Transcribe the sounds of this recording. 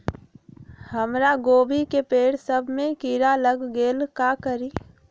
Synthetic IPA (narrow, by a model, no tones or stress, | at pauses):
həmɾaɡoːbʱikepeːɽsəbʱmẽkiɾaləɡɡeːlkakəɾi